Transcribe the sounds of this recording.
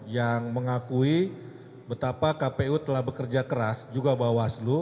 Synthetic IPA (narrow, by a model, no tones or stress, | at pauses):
jaŋməŋakui | bət̪apakapeut̪əlahbəkərd͡ʒakəɾasd͡ʒuɡabawaslu